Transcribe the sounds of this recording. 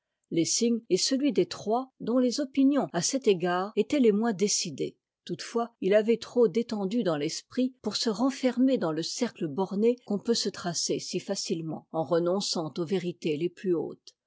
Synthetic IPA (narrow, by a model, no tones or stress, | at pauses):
lesiɲɛsəlɥid̪et̪χwad̪ɔ̃lezɔpinjɔ̃asɛt̪eɡaːʁet̪ɛlemwɛ̃d̪esid̪ḛ | t̪ut̪fwailavɛt̪χod̪et̪ɑ̃d̪yd̪ɑ̃lɛspχipuʁsəʁɑ̃fɛʁmed̪ɑ̃ləsɛʁkləbɔʁnekɔ̃pøsət̪χasesifasilmɑ̰̃ɑ̃ʁənɔ̃sɑ̃t̪oveʁit̪eleplyo̰ːt̪